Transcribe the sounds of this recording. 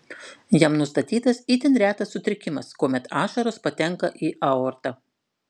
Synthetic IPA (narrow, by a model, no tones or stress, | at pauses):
jɛmnʊst̪ɐt̪ʲiːt̪ɐsiːt̪ʲɪnɾʲæːt̪ɐsːʊt̪ʲɾʲɪkʲɪmɐskoːmʲɛt̪ɑːʃɐɾospɐt̪ʲɛŋkɐʔiːʔɐɔːɾt̪ɑ